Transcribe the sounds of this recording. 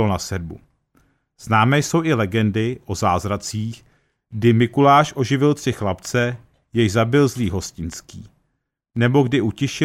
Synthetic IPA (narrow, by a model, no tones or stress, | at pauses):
onasɛd̚bṵ | z̥naːmɛːjso̞wʔɪlɛɡɛndɪʔo̞zaːzɾat͡siːx | ɡdɪmɪkulaːʃʔo̞ʒɪvɪlt̪r̥ɪxlapt͡sɛ | jɛjzabɪlzliːɦo̞scɪnskiː | nɛbo̞ɡdɪʔucɪʃɪ